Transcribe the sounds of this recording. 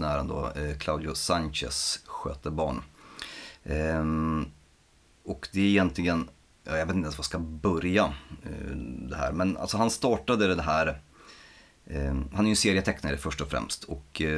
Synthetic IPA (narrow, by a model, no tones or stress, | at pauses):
næːɾənd̪o̰ːkʰlawd̪ɪʊsanɕɛ̰sɧø̰ːt̪əbɑːɳ | ɔkd̪ɛæɾɪjɛnt̪lɪɡən | jɑ̰ːjaɡeːt̪ɛnsvaskabœɾja | d̪ɛɦæ̰ːɾmɛnʔa̰lsɔɦanst̪ɑːʈad̪əd̪ɛd̪ɛɦæːɾ | hanhæɾjɵseːɾɪət̪ʰɛkːnaɾəfœʂʈɔfɾɛ̰mst̪ʰɔk